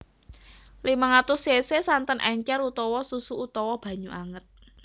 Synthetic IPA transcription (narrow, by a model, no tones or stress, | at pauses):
limaŋat̪ʊsesesant̪ənʔɛɲt͡ʃɛɾut̪ɔwɔsusuut̪ɔwɔb̥a̤ɲuʔaŋət̪̚